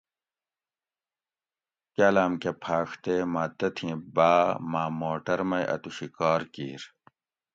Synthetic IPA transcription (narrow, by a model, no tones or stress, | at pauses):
kɐlaːmkepʰaːxt̪eːmat̪ɐt̪ʰĩbaːmaːmoːʈɐɾmɐjʔɐ̰t̪uɕikaːɾkiːɾ